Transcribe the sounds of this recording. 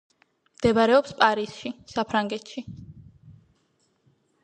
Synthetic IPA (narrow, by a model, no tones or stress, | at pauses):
md̪̥ɛbaɾɛɔpspʼaɾisʃisapʰɾaŋɡɛt̪ʃi